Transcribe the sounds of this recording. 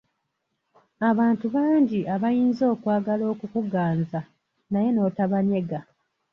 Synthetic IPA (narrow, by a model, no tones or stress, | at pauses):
aβaːntuβaːɲɟiʔaβajiːnzo̞ːkwaːɡalo̞ːkukuɡaːnza | naje̞no̞ːtaβaɲe̞ɡa